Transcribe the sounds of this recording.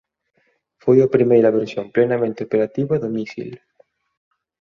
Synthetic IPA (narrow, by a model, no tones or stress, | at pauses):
fojapɾimejɾɐβeɾsjomplenamẽnt̪ɪopeɾat̪iβɐðomisḭl